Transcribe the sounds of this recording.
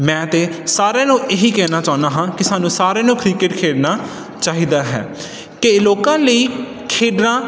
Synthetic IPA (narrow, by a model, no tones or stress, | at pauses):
mɛ̃ːt̪eːsaːɾẽːnũːeɦiːkɛːnaːt͡ʃaːnaːɦãːkɪsaːnũːsaːɾẽːnũːkɾiːkɪʈkʰeːɖnaː | t͡ʃaːɦiːd̪aːɦɛ̰ː | keloːkãːləiː | kʰeːɖnãː